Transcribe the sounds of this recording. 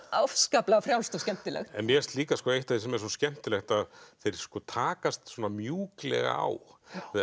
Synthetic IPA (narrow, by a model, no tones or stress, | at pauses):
awfskaplaafɾjawst̪ɔscɛm̥t̪ɪlɛ̰xt̪ɛnmjɛst̪liːkaskɔːejht̪aðisɛmɛɾswɔscɛm̥t̪ɪlɛxt̪aðθejɾ̥skɔt̪ʰaːkast̪swɔːnamjuːklɛ̰ɣa̰a̰w